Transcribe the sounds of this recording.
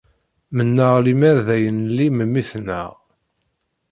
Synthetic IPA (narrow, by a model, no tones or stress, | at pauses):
mənːəʁlimæɾðæjənliməmːiθnəʁ